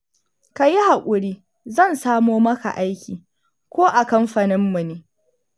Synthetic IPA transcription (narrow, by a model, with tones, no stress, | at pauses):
ka˨ji˦ha˨kʷʼʊ˨ɽiː˦ | zɐ˦˨nsaː˦moː˦mɐ˦ka̰˨ʔa˦jkʲiː˨ | kʷoː˦ʔa˨kɐ˦mɸɐ˨nɪ˦mːu˨neː˦